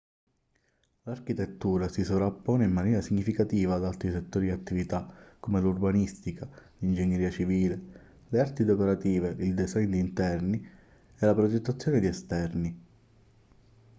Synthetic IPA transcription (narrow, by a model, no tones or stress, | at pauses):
larkit̪et̪ːuːɾasisovɾapːɔːneimːanjɛːɾasiɲːifikat̪iːvaːd̪alt̪ɾiset̪ːoːɾid̪iat̪ːivit̪akomelurbanist̪ikalind͡ʒeɲːeɾiːat͡ʃiviːle | leart̪id̪ekoɾat̪iːveild̪ezɛjnd̪iːnt̪ɛrni | elapɾod͡ʒet̪ːat̪sːjoːned̪iɛst̪ɛrni